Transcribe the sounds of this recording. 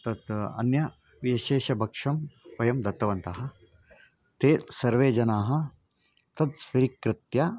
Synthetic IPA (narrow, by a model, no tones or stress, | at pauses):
t̪ɐt̪ɐ̰njɐ | ʋiʃeːʃɐbʱɐkʂɐmpɐjɐmd̪ɐt̪ːɐʋɐnt̪ɐɦɐ̆ | t̪eːsɐɾʋeːd͡ʒɐnaːɦɐ̆ | t̪ɐt̪sʋiɾikɾɪt̪jɐ